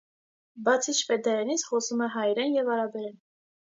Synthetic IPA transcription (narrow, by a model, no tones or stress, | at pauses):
bɑt͡sʰit͡ʃʰfɛd̪ɑjɑnit͡sχɔsumɛɦɑjɾɛnjɛvɑɾɑbɛɾɛn